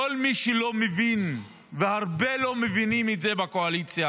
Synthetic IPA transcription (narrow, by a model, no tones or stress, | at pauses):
olmiʃelo̞mevin | vehaʁbelo̞mevinimetzebakoalit͡sja